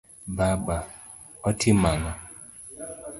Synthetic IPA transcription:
baba | ɔtʰimaŋa

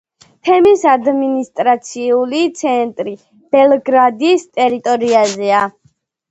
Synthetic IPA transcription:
t̪ʰɛmisad̪minist̪ʼɾat̪sʰiulit̪sʰɛnt̪ʼɾi | b̥ɛlˠɡɾad̪ist̪ʼɛɾit̪ʼɔɾiazɛa

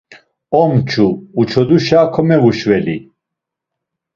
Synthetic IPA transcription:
ɔmt͡ʃʰuːt͡ʃʰɔd̪uʃaːkʰɔmɛvuʃvɛli

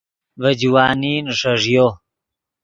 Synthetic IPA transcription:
vad͡ʑwaːninʂɐʐjo

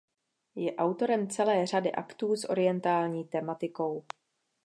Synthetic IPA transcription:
jɛʔawt̪o̞ɾɛmt͡sɛlɛːr̝adɪʔakt̪uːsʔo̞ɾɪjɛnt̪aːlɲiːt̪ɛmat̪ɪko̞w

